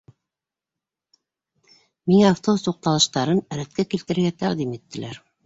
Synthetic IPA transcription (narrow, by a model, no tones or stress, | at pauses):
miŋæːft̪obst̪uq̚t̪ɑlˠɤ̆ʃt̪ɑɾɤnæɾæt̪̚kækilt̪ɘ̆ɾɘ̆ɾɡæt̪æqd̪imit̪ːɘ̆læɾ